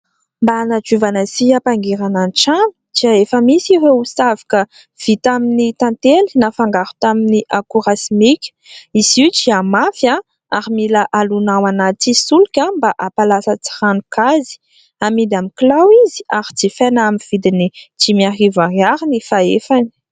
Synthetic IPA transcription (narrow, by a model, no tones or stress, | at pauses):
mbaːnad͡ʒuvanəsiapaŋɡeɾananʈ͡ʂami̥t͡ʃiaefəmisiɾeusavḁkə | v̥it̪aminit̪ãnt̪eli̥nafaŋɡaɾu̥t̪aminiʔakuɾasimikʲə̥iziwt͡ʃiamafja | aɾimilaʔalunawanat̪isulukʲãmbaʔapalasət͡si̥ranukazi̥ | amid̪amiklawiziaɾit͡sifenamiv̥id̪init͡simiarivaɾiaɾinifaefani̥